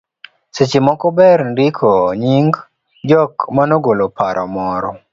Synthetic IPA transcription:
sɪt͡ʃɪmɔkɔbɛɾndikʰɔɲiŋɡ | d͡ʒɔkmanoɡolopaɾʔɔmɔɾɔ

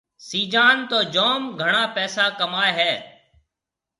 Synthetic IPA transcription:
siːd͡ʒaːnt̪oːd͡ʒoːmɡʱəɳaːpɛːsaːkəmaːeɦɛː

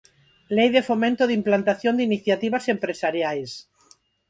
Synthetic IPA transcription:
lejðefomẽnt̪oðimplant̪aθjond̪iniθjat̪iβasempɾesaɾjajs

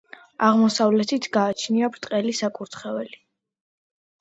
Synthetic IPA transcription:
aʁmɔsavlɛt̪ʰit̪ʰɡaːt͡ʃʰniabɾt̪ʼqʼɛlisakʼuɾt̪ʰχɛvɛli

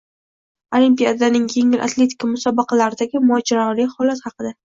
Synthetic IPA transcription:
olimpijad̪anɪŋje̞ŋɪlʔa̰t̪le̞t̪ʰɪ̥kʰamʊsɒbɑqʰɑlaɾɪd̪aɡʲɪmʊɒd͡ʒaɾɒlɪhɒlat̪hɑqɨd̪a

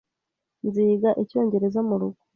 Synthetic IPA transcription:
nziːɡaʔico̞ːɲɟe̞ɾe̞zamuɾuɡ̥u̥

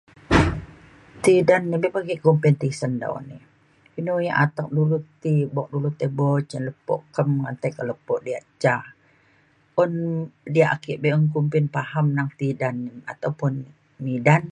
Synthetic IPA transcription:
t̪idanːibɛpaɡikompint̪isənda̰ṵnḭ | inujaʔat̪ak̚dulut̪ibɔk̚dulut̪ebɔt͡ʃənləpɔ̰ʔkəmŋant̪akələpɔʔdiaʔt͡ʃah | ʔɔndiaʔakiʔbeəŋkumpɪnpahamnaŋt̪idanːia̰t̪awpʊn | midan

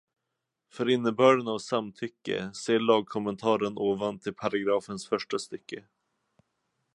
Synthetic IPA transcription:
fœɾɪnːəbœːɖənavsamt̪ʰʏkːə̰seːɭɑːɡ̚kʰɔmənt̪ʰɑːɾənoːvant̪ʰːɪlpʰaɾaɡɾɑːfənsfœʂʈast̪ʏkːə

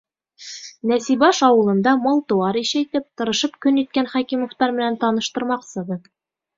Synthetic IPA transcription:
næsibɑʃɑwɤ̆lˠɤ̆nd̪ɑmɑlˠt̪ŏwɑɾiʃæjt̪ɘp̚t̪ɤ̆ɾɤ̆ʃɤpkɵnit̪̚kænχɑkimŏft̪ɑɾmɘ̆nænt̪ɑnɤ̆ʃt̪ɤ̆ɾmɑqsɤdɤ

